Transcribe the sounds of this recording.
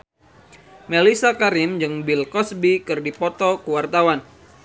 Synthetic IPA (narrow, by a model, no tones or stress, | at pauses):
melisakaɾɪmd͡ʒɨŋbɪlkɔsbikɨrdipɔt̪ɔkəwart̪awan